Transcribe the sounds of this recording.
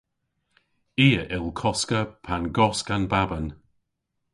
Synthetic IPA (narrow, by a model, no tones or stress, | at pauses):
iːəʔɪlˠkʰɔskəpʰanɡɔskanbabən